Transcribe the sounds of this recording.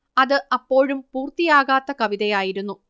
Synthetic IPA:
ɐðɨɐpːo̞ːɻumpuːrt̪ijaːɣaːt̪ːɐkɐʋiðɐjaːjiɾunːu

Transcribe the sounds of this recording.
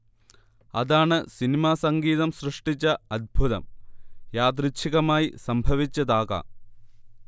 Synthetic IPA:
ɐ̰ðaːɳɨsinimaːsɐŋɡiːðɐmsrɨʂʈit͡ɕːɐɐd̪̚bʱuðɐ̰mjaːd̪rit͡ɕʰiɣɐmaːjisɐmbʱɐʋit͡ɕːɐðaːɣɐ̰

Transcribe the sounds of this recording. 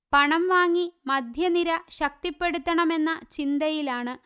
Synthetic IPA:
pɐɳɐmʋaːŋːimɐd̪ʱjɐniɾɐɕɐk̚t̪ipːe̞ɽut̪ːɐɳɐme̞nːɐt͡ɕind̪ɐjilaːɳɨ

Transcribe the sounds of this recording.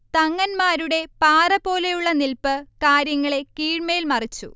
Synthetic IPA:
t̪ɐŋːɐnmaːɾuɽe̞paːrɐpo̞ːlejuɭːɐnilpɨkaːɾjɐŋːɐɭe̞kiːɻmɐjilmɐrit͡ɕːṵ

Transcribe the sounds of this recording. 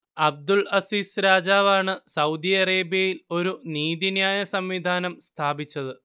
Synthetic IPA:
ɐb̚d̪uɭɐsiːsɾaːd͡ʑaːʋaːɳɨsɐwd̪iɐɾeːbjɐjilo̞ɾuniːðinjaːjɐsɐmʋid̪ʱaːnɐmst̪ʰaːbit͡ɕːɐðɨ

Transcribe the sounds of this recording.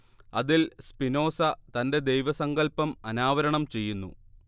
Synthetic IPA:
ɐðilspino̞ːsɐt̪ɐnde̞d̪ejʋɐsɐŋɡɐlpɐmɐnaːʋɐɾɐɳɐmt͡ɕe̞jːunːṵ

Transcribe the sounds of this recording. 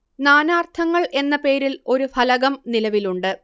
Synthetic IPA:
naːnaːrt̪ʰɐŋːɐɭʔe̞nːɐpe̞ːɾilo̞ɾufʰɐlɐɣɐmnilɐʋiluɳɖɨ

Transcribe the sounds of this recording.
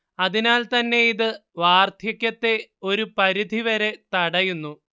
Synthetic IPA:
ɐðinaːlt̪ɐnːe̞iðɨʋaːrt̪ʰjɐkʲːɐt̪ːe̞o̞ɾupɐɾid̪ʱiʋɐɾe̞t̪ɐɽɐjunːu

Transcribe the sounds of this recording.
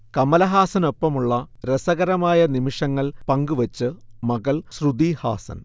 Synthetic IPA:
kɐmɐlɐɦaːsɐno̞pːɐmuɭːɐɾesɐɣɐɾɐmaːjɐnimiʂɐŋːɐɭpɐŋɡuʋɐt͡ɕːɨmɐɣɐɭsrud̪iːha̰ːsɐ̰n

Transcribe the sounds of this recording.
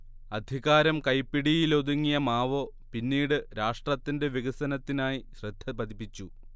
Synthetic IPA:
ɐd̪ʱiɣaːɾɐmkɐjpːiɽijilo̞ðuŋːijɐmaːʋo̞ː | pinːiːɽɨɾaːʂʈrɐt̪ːinde̞ʋiɣɐsɐnɐt̪ːinaːjiɕrɨd̪̥ʱːɐpɐd̪ipːit͡ɕːu

